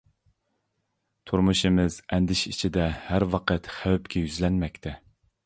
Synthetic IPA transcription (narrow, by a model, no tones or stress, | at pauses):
t̪ʰuɾmuʃɨmɪzɛnd̪ɪʃit͡ʃʰid̪ɛhæɾwɑqʰət̪χæwɛpkʲʰɛjyzlɛnmɛkʲt̪ʰɛ